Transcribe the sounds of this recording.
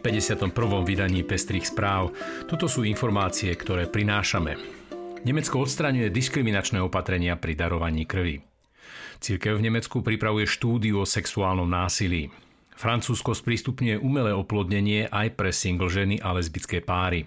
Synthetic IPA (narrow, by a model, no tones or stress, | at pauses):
pɛɟɛsɪat̪ɔmpr̩ʋɔmʋid̪aɲiːpɛst̪ɾiːxspɾaːʊt̪ɔt̪ɔsuːinfɔɾmaːt͡siɛkt̪ɔɾɛːpɾinaːʃamɛ̰ɲɛmɛtt͡skɔɔt̪st̪ɾaɲujɛd̪iskɾiminat͡ʃnɛːɔpat̪ɾɛɲɪapɾid̪aɾɔʋaɲiːkr̩ʋḭ | t͡siɾkɛʊvɲɛmɛt͡skupɾipɾaʋujɛʃt̪uːd̪iuɔsɛksuaːlnɔmnaːsilḭː | fɾant͡suːskɔspɾiːst̪upɲujɛʔumɛlɛːɔplɔd̪ɲɛɲɪɛʔajpɾɛsiŋɡl̩ʒɛniʔalɛzbit͡skɛːpaːɾi